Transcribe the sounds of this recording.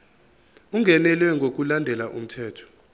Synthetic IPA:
uŋɡʱɛnɛlwɛŋɡʱok̬ʼulandʱɛlaʔum̩tʰɛːtʰɔ̥

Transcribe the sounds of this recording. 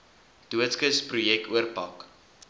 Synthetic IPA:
d̥uətskəsprujɛk̚tuərpɑk

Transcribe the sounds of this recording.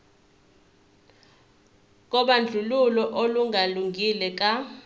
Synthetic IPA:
k̬ʼɔɓand͡ɮʱululɔʔoluŋʱaluŋɡʱilɛk̬ʼa

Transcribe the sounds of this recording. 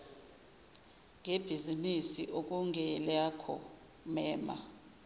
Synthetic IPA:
ŋeb̥ʱizinisiʔok̬uŋɛlakʰɔ̰ | mɛːma̰

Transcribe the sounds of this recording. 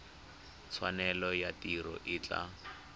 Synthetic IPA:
t͡sʰwanɛlɔjatiɾɔ̰ʔɪt͡ɬʼa̰

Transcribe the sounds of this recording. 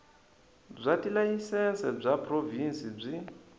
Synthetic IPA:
b͡ʐʷatʼilajisɛnsɛb͡ʐʷapʰʼrovinsib͡ʐʷi

